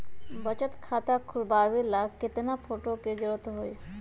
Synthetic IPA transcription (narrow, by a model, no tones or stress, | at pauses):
bət͡ʃət̪kʰat̪akʰulbaʋilaket̪enapʰoʈoked͡ʒəɭət̪ɦoj